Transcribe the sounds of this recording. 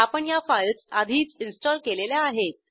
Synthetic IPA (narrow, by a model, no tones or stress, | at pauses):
apəɳjafajlsad̪ʱiːt͡sinsʈɔlkeleljaːɦet̪̚